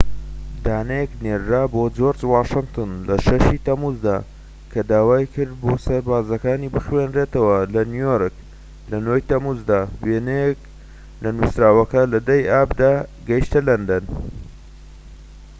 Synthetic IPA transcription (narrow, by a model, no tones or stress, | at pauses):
d̪aːnejekneɾːaːbod͡ʒoɾt͡swaːʃɨnt̪ʰɨnlɐʃɐʃit̪ɐmuzd̪a̰ː | kʰɐd̪aːwaːjkʰɨɾd̪̚boːsɐɾbaːzɐkaːniːbɨxwenɾet̪ɐwɐlɐnujoɾɨk | lɐnojt̪ɐmuzd̪aːwenejek̚ | lɐnusɾaːwɐkɐlɐd̪ɐjʔaːbd̪aːɡɐjʃt̪ɐlɐnd̪ɐn